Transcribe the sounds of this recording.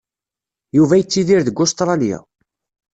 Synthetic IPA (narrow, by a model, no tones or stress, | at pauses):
juvæjət͡sːiðiɾðəɡːʊst̪ɾˤɑlija̰